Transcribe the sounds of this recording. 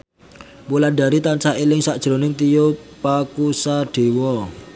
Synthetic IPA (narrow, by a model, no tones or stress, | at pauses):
mulaɖa̤ɾit̪ansaelɪŋsaʔd̥ʒ̥ɾonɪŋt̪ijopakusaɖ̥e̤wɔ